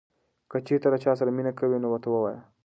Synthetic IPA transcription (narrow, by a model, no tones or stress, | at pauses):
kɐt͡ʃet̪ɐɾɐt͡ʃʰaːs̬ɐɾɐminɐkɐwenowɐt̪ʰɐwɐwaːja